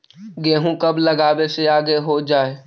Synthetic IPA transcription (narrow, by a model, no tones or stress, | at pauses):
ɡẽːɦũkɐbləɡaːweseaːɡeɦod͡ʒaːeː